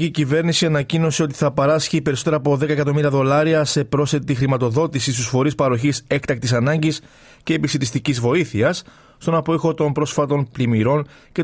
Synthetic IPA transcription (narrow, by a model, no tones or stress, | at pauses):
icive̞ɾnisiɐnɐcino̞se̞o̞t̪i̥θɐpeɾɐsçipe̞ɾiso̞t̪e̞ɾɐːpo̞ðe̞kɐekɐt̪o̞miɾiɐðo̞lɐɾiɐse̞pɾo̞sθe̞t̪ixɾimɐt̪o̞ðo̞t̪isis̬t̪usfo̞ɾispɐɾo̞çise̞kt̪ɐk̚t̪isɐnɐɲɟis | ce̞ːpisit̪ist̪icizvo̞iθiɐs | st̪o̞nɐpo̞ixo̞t̪o̞mpɾo̞sfɐt̪o̞nplimiɾo̞n | ce̞